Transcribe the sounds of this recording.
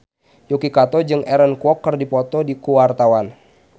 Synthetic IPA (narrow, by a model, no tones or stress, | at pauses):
jukikat̪ɔd͡ʒɨŋɛɾənkwɔkːərdipɔt̪ɔdikuwart̪awan